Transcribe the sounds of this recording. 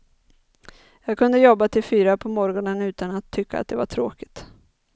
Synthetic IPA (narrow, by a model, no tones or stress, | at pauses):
jɑːɡ̚kʰɵnd̪əjɔbːat̪ʰɪlfyːɾapʰɔmɔɾɡɔnənʉ̟ːt̪anat̪ʰːʏkʰːa̰t̪̚d̪ɛvaʈʰɾoːkɪ̥t̪